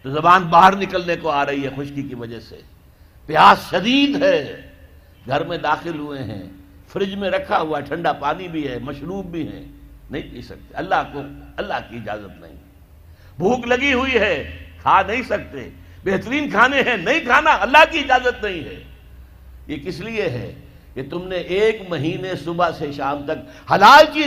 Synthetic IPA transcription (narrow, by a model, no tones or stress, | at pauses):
t̪ozɐbaːnbaːɦəɾnɪkəlnekoaːɾɐɦiɦɛxʊʃkikiʋɐd͡ʒəɦsḛ | pjaːsʃɐd̪iːd̪ɦɛː | ɡʱɐɾmẽd̪aːxɪlɦueɦɛ̰̃ | fɐɾɪd͡ʒmẽɾɐkʰaɦuaɛʈʰɐ̃ɳɖapaːnibʱiɦɛːmɐʃɾuːb̚bʱiɦɛ̰̃nɐɦĩkisɐ̰k̚t̪eɐlːaɦkoɐlːaɦkiɪd͡ʒa̰ːzət̪nɐ̰ɦḭ̃ɦɛ | bʱuːklɐɡiɦʊiɦɛːkʰaːnɐɦĩsɐk̚t̪ḛbeɦt̪ɾiːnkʰaːneɦɛ̃nɐɦĩkʰaːnaɐlːaɦkiɪd͡ʒaːzət̪nɐɦĩɦɛ̰ː | jekɪslieɦɛ̰ | ket̪ʊmneʔeːkmɐɦiːnesʊbaseʃaːmt̪ɐk | hɐlaːlki